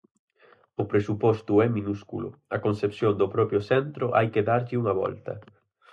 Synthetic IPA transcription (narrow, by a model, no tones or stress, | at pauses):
ʊpɾesupɔst̪uɛmĩnuskṵlʊ̰ɐkonsepsjond̪ʊpɾɔpɾjʊsɛnt̪ɾʊʔa̰jkeðaɾʎɪuŋɐβɔ̰lt̪ɐ̰